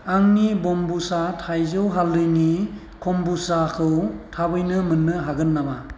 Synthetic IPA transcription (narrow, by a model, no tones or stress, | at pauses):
aŋnibɔmbusatʰajzɯwɦaldɯjni | kʰɔmbusakʰɯwtʰabɯjnɯmɯnːɯɦaɡɯnːaba